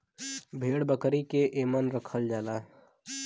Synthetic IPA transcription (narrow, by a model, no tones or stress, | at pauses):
bʱeːɽbəkɾikeʔeːmənɾəkʰəld͡ʒaːlaː